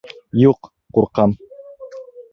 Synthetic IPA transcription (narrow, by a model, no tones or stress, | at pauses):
juq | quɾqɑn